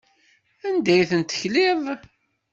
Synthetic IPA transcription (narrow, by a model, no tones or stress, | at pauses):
ænd̪æjθənt̪ə̥çlɪðˤ